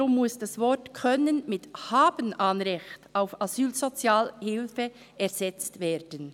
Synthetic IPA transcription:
ʊmːʊsd̥asvɔtkʰœnənmɪthaːbənanʁɛçtaʊfazyːlzot͡sjaːlhɪlfə | ɛʁzɛt͡stveːdən

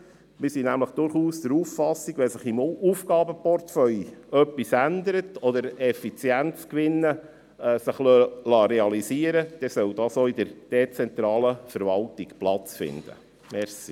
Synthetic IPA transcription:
mɪɾsinæmləχd̪̥ʊɾχuːsd̥̪əɾufːɑsːiɡʋɛsəχimufɡɑːbəpɔrtfœlœpːisænd̪əɾətʰɔd̪əɾɛfit͡sjænt͡skʋɪnːə | ɛsəχlølɑɾɛɑlisiəɾəd̪̥ɛsœwd̥̪ɑːsoid̪əɾd̥ɛt͡sɛnt̪ɾɑːləfəɾvɑltiɡplɑt͡sfɪ̰nd̪̥ə̰ | mɛɾsi

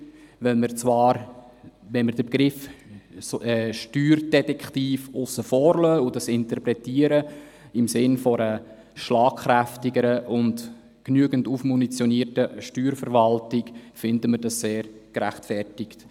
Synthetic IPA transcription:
vɛlməɾt͡svɑːɾ | ʋɛnməɾd̥əbɡɾɪf | ɛʃtyːɾd̥ɛtɛkχtiːfʊsəfɔːɾlœːʊdɑsɪntərpɾɛtiːəɾə | ɪmsɪnfɔɾə | ʃlɑːkχɾæftɪɡəɾəʔʊnd | knyəɡəntufmunit͡sjɔniːərtəʃtyːɾfəɾvɑltɪkfɪndəmədɑsseːɾɡ̥ɾæ̰χtfɛrtɪkt

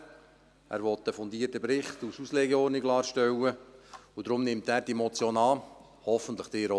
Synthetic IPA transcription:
æ̰ːɾʋɔt̪əfɔnd̪iːərtəpɾɪχtususlɛɡɛɔːrnɪɡlɑːɾʃtɛwəud̥̪ɾʊmnɪmt̚æːɾd̥iemɔt͡sjoːnɑː | hɔfən̩t̪ləχd̥ɪːɾo

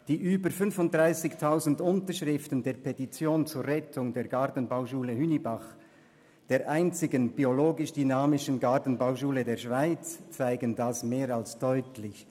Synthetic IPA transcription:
d̥iːʔyːbəɾfʏnfʊnt̚d̥ʁaɪsɪçtʰaʊzn̩dʊntəʃʁɪftən̩deːɐpʰetit͡sjoːnt͡suːɾʁɛtʰʊŋdeːɐɡaʁtn̩baʊʃuːləhynibaχ | d̥eːɐʔaɪnt͡sɪɡənb̥ioloːɡɪʃd̥ynaːmɪʃənɡaʁtn̩baʊʃuːlədeːɐʃv̥aɪt͡st͡saɪɡəndasmeːɾalsd̥ɔʏtlɪç

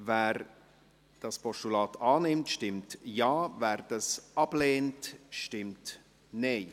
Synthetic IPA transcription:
vɛːɾ | d̥ɑspɔʃtulɑːtʰɑːnɪmtʃtɪmtjɑːvɛːɾd̥ɑsʔɑb̥leːntʃtɪmt | neɪ

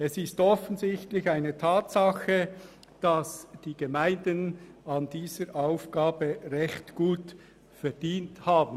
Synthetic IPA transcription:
ɛsɪstɔfənzɪçtlɪçaɪnətʰaːtsɑxə | d̥ɑsd̥iːɡ̥emaɪndənɑndiːzəɾʔaʊfɡ̥aːbəʁɛçtɡ̥uːt | fɛʁd̥iːnthaːbn̩

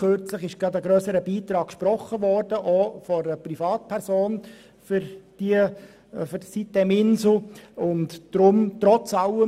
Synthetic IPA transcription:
χøɾt͡sləχɪʃɡ̥ɑdəɡɾœːsəɾəbiːt̪ɾɑːk̚kʃpɾɔχəʋɔrd̥əʔoːfɔəprifɑːt̚pʰɛɾsoːn | fʏɾd̥iə | fʏɾdsit̪ɛmɪnsl̩ʊntd̥ɾʊmtɾɔt͡sɑlʊə

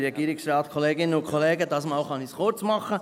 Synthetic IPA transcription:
ɾɛɡiːɾɪksɾɑːtkʰɔleːɡɪnəʊkʰχɔleːɡəd̥ɑːsmɑːlχɑnisχʊɾt͡smɑχə

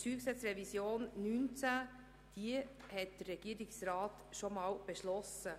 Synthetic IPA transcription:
syːksɛt͡sɾɛvisjoːnnynt͡sæ | d̥iəhɛt̚d̥ərːɛɡ̥iːɾɪksɾɑːt | ʃomɑːwb̥eʃlɔsə

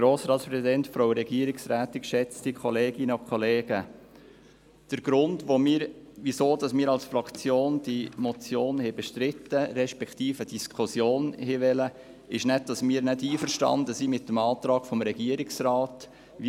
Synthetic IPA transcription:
ɾoːsɾɑːtspɾɛsidɛntfɾoʊɾɛɡiəɾɪksɾæːt̪ɪkʃɛt͡stikʰɔleːɡ̥ɪnəɔkʰχɔleːɡ̥ə | d̥əɾɡɾʊndʋomɪːəɾʋisoːd̥ɑsmiːɾɑlsfɾɑkt͡sjoːnd̥imɔt͡sjoːnhɛbɛʃtɾɪt̪ːəɾɛʃpɛkʰt̪iːfəd̥iskʰʊsjoːnheʋɛlə | ɪʃnɛt̚d̥ɑsmiːəɾnɛtiːfəɾʃtɑ̰nd̪əsimɪt̪ːəmɑːt̪ɾɑːɡ̥fɔmɾɛɡ̥iəɾɪksrɑːt̪ | ʋi

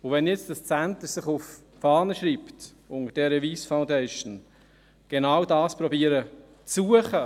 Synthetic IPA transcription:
ʊʋɛnjɛt͡sd̥ɑst͡sænt̪əɾsɪχʊf | fɑːnəʃɾiːpt | ʊŋəd̥ɛɾəʋiːsfaʊ̃ndɛɪʃn̩ | ɡ̥enawdɑːspɾɔbiːəɾə | t͡sːuəχə

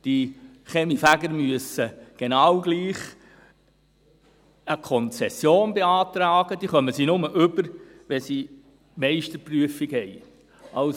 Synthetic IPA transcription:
d̪̥i | χɛmifæɡəɾmyəsəɡ̥enɑwɡliːχ | əkʰɔnt͡sɛsjoːnbeɑːt̪ɾɑːɡ̥əd̥̪iːχœməsinʊməʔʏbəɾʋɛsi | mɛɪʃtəpryəfiɡhɛɪ | ʔɑʊs

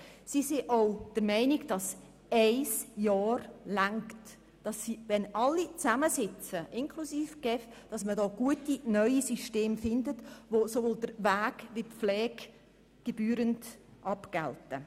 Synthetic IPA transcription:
sisiʔɔʊd̥əɾmɛɪniɡd̥ɑs | ɛɪsjɑːrlæŋkt | d̥ɑsːiʋɛnɑlːit͡sæməsɪt͡səʔɪŋkʰlusiːfɡ̥ɛf | d̥ɑsmədɔːɡ̥uətinœʏisyʃteːmfɪndətʋosovoːldəɾvæːɡʋip͡flɛːɡ̥ | ɡ̥eb̥yːɾəndʔɑpɡ̥ɛltə

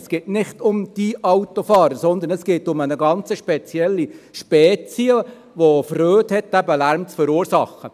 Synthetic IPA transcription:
sɡ̥eːtnɪχtʊmd̥iʔɑwt̪ofɑːɾəɾsɔnd̪ənəsɡ̥eːtʊmənəɡɑnt͡səʃpɛt͡sjɛlːiʃpɛːt͡siə | ʋofrøːthɛtːæbəlæɾmt͡sfəɾuːɾsɑχə

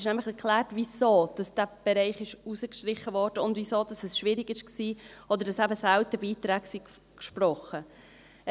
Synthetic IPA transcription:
ʃnæmləχɛɾkχlæːrtvisoːd̥ɑsd̥æb̥ɛɾɛɪχɪʃusəkʃtɾɪχəvɔɾd̥əʊndvisoːd̥ɑsɛsʃʋɪɾɪɡɪʃksiːɔd̪əɾd̥ɑsæbəsæltəbiːtɾæːɡsik | kʃprɔχə

